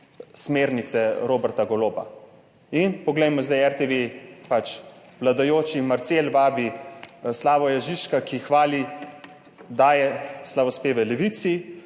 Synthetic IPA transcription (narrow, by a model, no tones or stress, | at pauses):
smeːɾnit̪sɛɾoːbɛɾt̪aɡɔloːba̰ | inpɔɡlɛjmɔzd̪ajɛɾt̪eʋepat͡ʃ | ʋlad̪ajoːt͡ʃimaɾt̪seːlʋaːbislaːʋɔjaʒiʃkakixʋaːli | d̪aːjɛslaʋɔspeːʋɛlɛʋit̪si